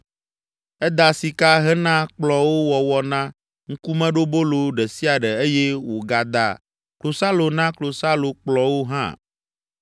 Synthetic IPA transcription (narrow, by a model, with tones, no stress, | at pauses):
ɛ˦d̪a˨si˨ka˦ɦɛ˦nã˦k͡plɔ˨wo˦wɔ˨wɔ˨nã˦ | ŋ̩˦ku˦mɛ̃˦ɖo˦bo˦lo˨ɖɛ˨si˦a˨ɖɛ˨e˦je˦wo˨ɡa˨d̪a̰˨ | klo˨sa˦lo˨nã˦klo˨sa˦lo˨k͡plɔ˨wo˦ɦã̰˦